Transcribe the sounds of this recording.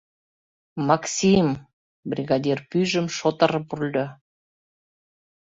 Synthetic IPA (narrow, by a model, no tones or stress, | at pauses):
mɑksʲim | brʲiɣɑd̪ʲirpyʒə̆mʃot̪ɤ̆ɾɤpurlʲd̪ø